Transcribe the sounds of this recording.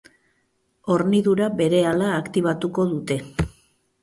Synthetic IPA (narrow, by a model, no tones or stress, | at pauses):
o̞ɾniðuɾabe̞ɾe̞alaːkt̪iβ̞at̪uko̞ðut̪e̞